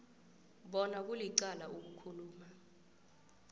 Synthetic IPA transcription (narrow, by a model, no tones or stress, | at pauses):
ɓɔnak̬uliǀalaʔuk̬ukʰuluːma